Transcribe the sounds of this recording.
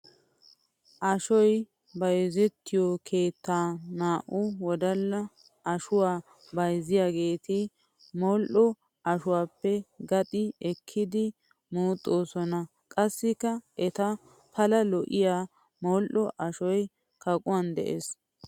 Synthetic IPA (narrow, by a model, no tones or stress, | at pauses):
ʔɐʃɔj | bɐjzɛt̪ʰːɪjɔkʰe̞ːt̪ːaːnaːʔʊwɔd̪ɐlːɐ | ɐʃʊwaː | bɐjzɪjaːɡe̞ːt̪ɪ | mɔːlʔɔ | ɐʃʊwaːpːɛɡɐt̪ʼɪɛkʰːɪd̪ɪ | muːt̪ʼːoːsɔnɐ | kʼɐsːɪkːɐʔɛt̪ɐ | pʰɐlɐlɔʔɪjaː | moːlʔɔʔɐʃɔj | kɐkʼʊwaːnd̪ɛ̰ʔes